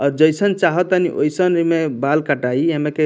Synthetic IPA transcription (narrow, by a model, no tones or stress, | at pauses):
ɔɾd͡ʒʌjsənt͡ʃaɦɔt̪aniʔo̰jsənɾimebalkaʈaiemeke